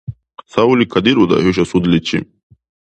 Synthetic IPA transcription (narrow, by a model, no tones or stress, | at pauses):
sawulikʰad̪iɾud̪ɐ̰høʃ̬asud̪lit͡ʃʰːḭ